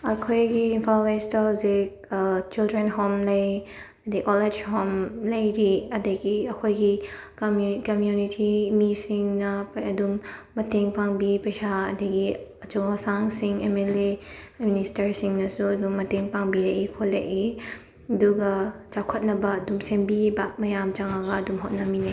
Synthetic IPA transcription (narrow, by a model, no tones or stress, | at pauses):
ɐkʰojɡiːnpʰalwejstawze | t͡ʃildɾenɦomlɐj | ɐdikɔled͡ʒhomlɐjɾiɐdɐɡiɐkʰojɡi | mkɐmjunitʰimisiŋnɐpɐdumː | ɐteŋpaŋbipɐjsaɐ̰dɐɡiɐt͡ʃoŋwɐsaŋsiŋemeleministɐɾsiŋnɐsuɐdumːɐteŋpaŋbiɾɐʔikʰolḛʔi | ɐduɡɐt͡ʃawkʰɐt̚nɐbɐːdumsembibamɐjamt͡ʃaŋaɡɐːdumɦot̚nɐminaj